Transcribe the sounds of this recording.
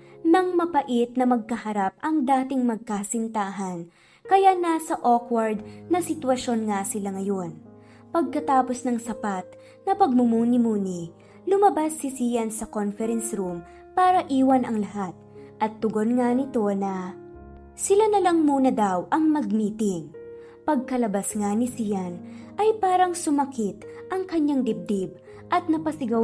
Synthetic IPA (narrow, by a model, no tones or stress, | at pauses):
nɐŋmɐpɐʔit̪̚nɐmɐɡ̚kɐhɐɾap̚ʔɐŋd̪aːt̪ɪŋmɐɡ̚kaːsɪnt̪aːɦɐn | kɐjanasɐʔokwɐɹd̪̚nɐsɪt̪wɐʃo̞nŋasɪlaŋɐjo̞n | pɐɡ̚kɐt̪aːpo̞snɐŋsɐpat̪̚ | nɐpɐɡ̚mʊmuːnɪmuːni | lʊmɐbasːɪsiːjɐnsɐkonfɛɾɛnsɾum | paːɾɐʔiːwɐnɐŋlɐhat̪̚ʔɐt̪ːʊɡo̞nŋanɪt̪o̞nɐ | sɪlanɐlɐŋmuːnɐd̪awʔɐŋmɐɡ̚miːt̪ɪŋ | pɐɡ̚kɐlɐbasŋanɪsijɐnʔɐjpaːɾɐŋsʊmɐkit̪ʔɐŋkɐɲaŋd̪ɪb̚d̪ib̚ | ʔɐt̪̚nɐpɐsɪɡɐ